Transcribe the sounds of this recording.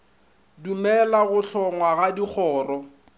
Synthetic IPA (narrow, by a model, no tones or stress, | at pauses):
dumɛlaɣʊɬʰɔŋwaɣadik͡xʰɔːrɔ